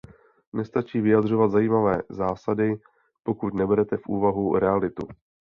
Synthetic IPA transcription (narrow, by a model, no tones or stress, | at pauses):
nɛst̪at͡ʃiːvɪjad̪r̝o̞vat̪zajiːmavɛːzaːsadɪ | po̞kut̪nɛbɛɾɛt̪ɛfʔṵːvaɦuɾɛalɪt̪u